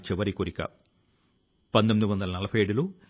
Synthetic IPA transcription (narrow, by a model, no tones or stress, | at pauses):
t͡ɕeʋɐɾikːuɾikʲːɐ̰ | pɐnd̪ɐmiʋɐnːɐlnɐlɐfeːɽilu